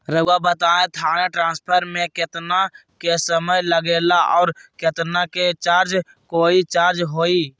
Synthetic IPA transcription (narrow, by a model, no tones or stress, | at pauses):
ɾəabət̪aːẽt̪ʰaːñeʈɾãːspʰəɾmẽkɪt̪nakesəməjləɡeːlaʔɔːɾkɪt̪naket͡ʃaːɾd͡ʒ | koːit͡ʃaːɾd͡ʒɦoːiː